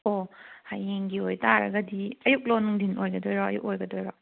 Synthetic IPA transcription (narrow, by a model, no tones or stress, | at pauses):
ohajːeŋɡiojtaɾɐ̰ɡɐdiɐjuk̚lɔnuŋdinojɡɐdojɾɔɐ̰juk̚ojɡɐdojɾɔ